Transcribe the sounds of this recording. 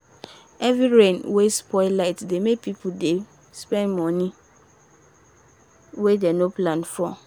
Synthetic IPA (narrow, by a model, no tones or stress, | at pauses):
ɛvɾiɹẽnwespʰɔɪlaɪtdemek̚pʰipʰude | spɛ̃nmɔ̃nĩ | wedenoplãnfɔ